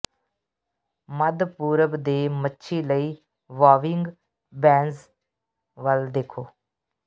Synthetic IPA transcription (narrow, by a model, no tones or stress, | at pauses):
məd̪puːɾəbd̪eːmətːʃʰiːləiː | ʋaːʋɪŋɡ | bɛ̃ːnz | ʋəld̪eːkʰoː